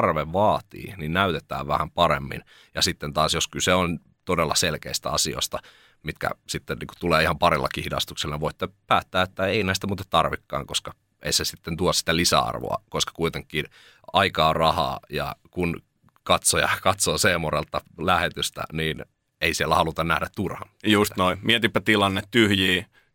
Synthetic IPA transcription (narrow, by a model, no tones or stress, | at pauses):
rʋeʋʋɑːt̪ḭːninnæyt̪et̪æ̰ːʋʋæhæmpɑɾḛmːḭn | jɑsit̪ːent̪ɑːsjoskyseon | t̪odelːɑ̰selkḛist̪æɑsio̰st̪ɑ | mit̪kæ̰sit̪ːenniːku̥t̪uleːihɑmpɑɾilːɑ̰kihidɑ̰st̪ukselːɑniʋoit̪ːepæːt̪ːæːet̪ːæeinæist̪æmuːt̪et̪t̪ɑrʋikːɑ̰ːŋkoskɑ | ḛisesit̪ːent̪uɑssi̥t̪ælisæ̰ɑ̰rʋo̰ɑ̰koskɑ̥kuit̪eŋkːˑiːn | ɑikɑːrɑhɑ̰ːjɑ̰kun | kɑt̪sojɑ̰kɑt̪soːseːmurḛlt̪ːɑlæhet̪yst̪æ̰niːn | eisielːæhɑlut̪ɑnnæhdæt̪t̪urhɑ̰njust̪noimiet̪ipːæt̪ilɑnːet̪t̪yhjiː